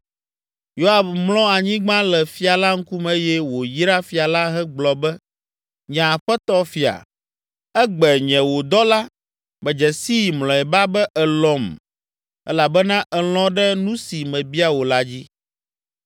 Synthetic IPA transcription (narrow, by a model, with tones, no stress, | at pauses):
jo˦a˨bmlɔ̃˦a˨ɲĩ˦ɡ͡bã˦lɛ˨fi˦a˨la˦ŋ̩˦ku˦mɛ˦jɛ˦wo˨ji˦ɾa˦fi˨a˨la˦ɦɛ˦ɡ͡blɔ˨bɛ˦ | ɲã˨ɸɛ˦t̪ɔ˦fi˨a̰˨ | ɛ˦ɡ͡bɛ˨ɲɛ̃˨wo˨d̪ɔ˦la˦ | bɛ˨d͡ʒɛ˨si˦˨mlɔ̃˨ɛ˨ba˦bɛ˦ʔɛ˨lɔ̃˦m | ɛ̰˦la˨bɛ˦nã˦ʔɛ˨l̃ɔ̃˦ɖɛ˦nũ˦si˨mɛ̃˨bi˦a˦wo˨la˦d͡ʑi˦